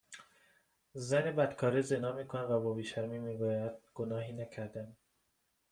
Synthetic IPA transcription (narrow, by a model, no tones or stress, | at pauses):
zænebæd̪kʰɒːɾezenɒːmiːkʰonævæbɒːbiːʃæɾmiːmiːɡuːjæd̪̥̚ɡ̥onɒːɦiːnæcʰæɾd̪æm